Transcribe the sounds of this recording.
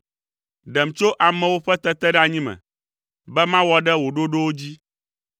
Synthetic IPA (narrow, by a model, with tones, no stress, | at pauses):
ɖɛ˨mt͡ʃo˦ʔa˨mɛ̃˨wo˦ɸɛ˦t̪ɛ˦t̪ɛ˦ɖɛ˦a˨ɲĩ˦mɛ̰̃˨ | bɛ˦mã˦wɔ˦ɖɛ˦wo˨ɖo˦ɖo˦wo˦d͡ʑi˦